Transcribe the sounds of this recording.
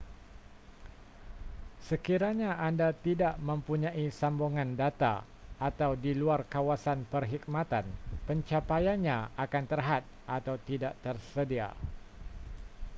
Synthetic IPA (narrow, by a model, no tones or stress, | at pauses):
səkiɾaɲaandat̪idaʔmə̃mpuɲãʔisambɔŋãndat̪a̰ | at̪awdiluarkawasanpərɦik̚mat̪anpəɲt͡ʃapajanɲãakant̪ərɦat̪̚ʔat̪awt̪idaʔt̪ərsədia̰